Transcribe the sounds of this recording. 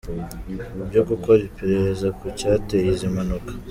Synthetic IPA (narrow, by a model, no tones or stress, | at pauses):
ubɟokukoβipeɾeɾezakucatejizimanukḁ